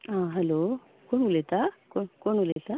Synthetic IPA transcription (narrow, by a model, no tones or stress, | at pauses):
aːɦɛloː | koɳulet̪akokoɳulet̪a